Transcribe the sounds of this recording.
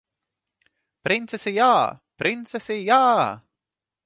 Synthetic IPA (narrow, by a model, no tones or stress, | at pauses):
pɾint̪sesijaːpɾint̪sesijaː